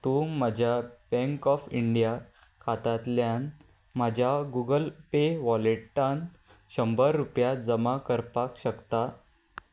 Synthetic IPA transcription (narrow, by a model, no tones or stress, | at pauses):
t̪umad͡ʑʱjabɛ̃ŋkɔfiɳɖija | kʰat̪at̪ljan | mad͡ʑʱjaɡuɡəlpeʋɔleʈʈan | ɕəmbəɾːupjad͡zəmakəɾpakɕəkt̪a